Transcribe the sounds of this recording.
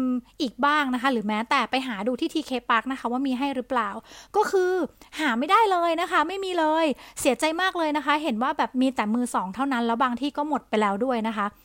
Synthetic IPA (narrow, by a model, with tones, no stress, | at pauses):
ʔiː˨˩k̚baː˥˩ŋna˦˥kʰa˦˥ɾɯː˩˦mɛː˦˥t̪ɛː˨˩pa˧jɦaː˩˦duː˧t̪ʰiː˥˩t̪ʰiː˧kʰeː˧paː˦˥k̚na˦˥xʰa˦˥waː˥˩miː˧ɦa˥˩jɾɯː˦˥plaː˨˩wkɔː˥˩kʰɯː˧haː˩˦ma˥˩jdaː˥˩jlɤː˧jna˦˥kʰa˦˥ma˥˩jmiː˧lɤː˧jsi˩˦ɐt͡ɕa˧jmaː˥˩k̚lɤː˧jna˦˥kʰa˦˥ɦe˩˦nwaː˥˩bɛː˨˩p̚miː˧t̪ɛː˨˩mɯː˧sɔː˩˦ŋt̪ʰa˥˩wna˦˥nlɛː˦˥wbaː˧ŋt̪ʰiː˥˩kɔː˥˩mo˨˩t̪̚pa˧jlɛː˦˥wdu˥˩əjna˦˥kʰa˦˥ʔ